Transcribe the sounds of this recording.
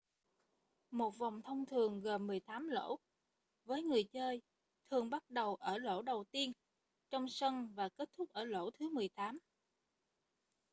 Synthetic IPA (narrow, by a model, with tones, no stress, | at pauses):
mo˨˩t̚va˨˩wŋ͡mt̪ʰə˧wŋ͡mt̪ʰɨ˨˩əŋɣə˨˩mmɨ˨˩əjt̪aː˨˦mlo̰˧˥ | vəː˨˦jŋɨ˨˩əjt͡ɕəː˧j | t̪ʰɨ˨˩əŋɓa˦˥t̚ɗə˨˩wʔəː˧˩lo̰˧˥ɗə˨˩wt̪i˧ən | t͡ɕɔ˧wŋ͡msə˧nvaː˨˩ke˦˥t̚t̪ʰʊ˦˥k͡p̚ʔəː˧˩lo̰˧˥t̪ʰɨ˨˦mɨ˨˩əjt̪aː˨˦m